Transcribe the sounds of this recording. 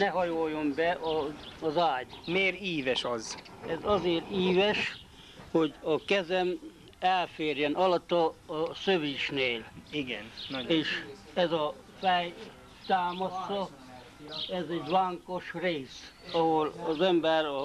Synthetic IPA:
nɛɦɒjojːombɛʔɒːzaːɟmeːɾiːvɛʃɒz | ɛzɒzeːriːvɛʃ | ho̞ɟɒkɛzɛm | ɛlfeːrjɛnɒlɒt̪ːɒːsøʋiːʃneːliɡɛneːʃ | ɛzɒ | fɛj | t̪aːmɒsːɒ | ɛzɛɟʋaːŋkoʃreːsɒɦolɒzɛmbɛrɒ

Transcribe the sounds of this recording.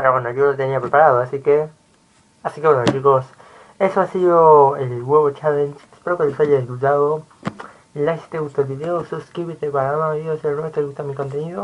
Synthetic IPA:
paɾakwand̪oʝolot̪eniapɾe̞paɾaðoasike | asikewenot͡ʃikos | e̞soasiðoelɣwe̞βot͡ʃalensespeɾokeosajaðeɡut̪aðo | lajst̪eɣust̪olβiðeosuskɾiβit̪epaamaβeiðoseɾot̪eɣust̪amiko̞nt̪e̞niðo

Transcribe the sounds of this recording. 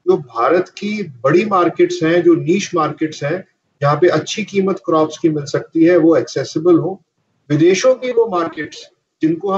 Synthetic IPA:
d͡ʒoːbʱaːɾət̪kibɐɽimaːɾkeːʈsɦɛ̃d͡ʒoːniːʃmaːɾkeːʈsɦɛ̃ | d͡ʒɐɦãpeʔɐtːʃʰikiːmət̪kɾɔːpskimɪlsɐk̚t̪iɦɛʋoɛksɛːsɪbəlɦõː | ʋɪd̪eːʃõkiloːmaːɾkeːʈs | d͡ʒɪnkoɦɐ

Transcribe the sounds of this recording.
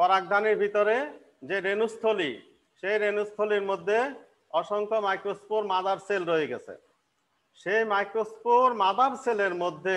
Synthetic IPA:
kɔɾak̚d̪ʱaniɾbʱit̪oɾe | d͡ʑeɾenust̪ʰolḭ | ʃejɾenust̪ʰoliɾmod̪ʱːe | ɔʃɔŋkʰomajkɾospoɾmad̪aɾselɾoeɡɛ̰t͡ɕʰḛ | ʃejmajkɾospoɾmad̪aɾseleɾmod̪ʱːe

